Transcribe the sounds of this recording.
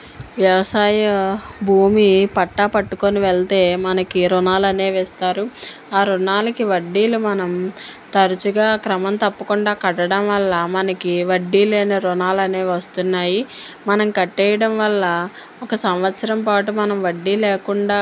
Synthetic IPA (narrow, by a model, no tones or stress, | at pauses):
ʋjɐʋɐsaːjɐbʱuːmipɐʈːaːpɐʈːukoniʋɛɭt̪e̞ːmɐnɐkiɾunaːlɐneːʋɛst̪aːɾu | aːɾunaːlɐkiʋɐɖːiːlumɐnɐmt̪ɐɾut͡ʃuɡaːkɾɐmɐnt̪ɐpːɐkuɳɖaːkɐʈɐɽɐmʋɐlːɐmɐnɐkiʋɐɖːiːleːneɾunaːlɐneːʋɐst̪unːaːjimɐnɐmkɐʈːɛːjɐɽɐmʋɐlːɐ | ɔkɐsɐmʋɐt̪sɐɾɐmpaːʈumɐnɐmʋɐɖːiːleːkuɳɖaː